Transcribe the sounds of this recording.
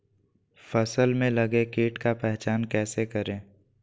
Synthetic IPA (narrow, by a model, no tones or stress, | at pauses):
fəsəlmẽlɐɡẽkeːʈkapɛɦt͡ʃaːnkɛːsekəɾẽː